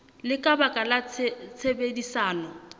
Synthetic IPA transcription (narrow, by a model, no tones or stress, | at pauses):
lɪkʼabakʼalat͡sʰt͡sʰebedisaːnɔ